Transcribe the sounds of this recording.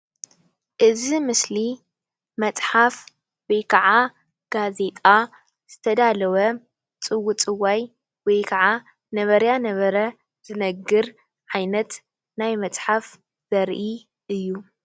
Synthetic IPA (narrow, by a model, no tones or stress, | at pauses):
ʔɨzimɨsli | mɐt͡sʼħaf | wɔjkʰɐʕa | ɡ̥aze̞t̪ʼa | z̥ɨt̪ʰɐd̪alɐwɐ | t͡sʼɨwːut͡sʼɨwaj | wɔjkʰɐʕa | nɐβɐɾjanɐβɐɾɐ | z̥ɨnɐɡːɨɾ | ʕajnɐt̪ | najmɐt͡sʼħaf | z̥ɐɾʔi | ʔɨjːu